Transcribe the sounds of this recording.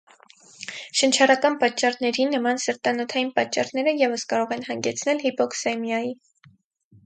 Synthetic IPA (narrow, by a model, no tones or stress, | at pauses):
ʃənt͡ʃʰɑɾɑkɑnpɑt͡ʃːɑrnɛɾinəmɑnsəɾt̪ɑnɔt̪ʰɑjinpɑt͡ʃːɑrnɛɾəjɛvəskɑɾɔʁɛnɦɑŋɡɛt͡sʰnɛlhipɔkʰsɛmjɑji